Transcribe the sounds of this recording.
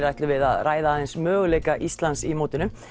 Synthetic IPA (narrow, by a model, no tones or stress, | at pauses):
ɾajht̪lʏvɪða̰ðraːjðaðɪnsmœːɣʏleːjkaʔist̪lansimoːwt̪ɪnʏm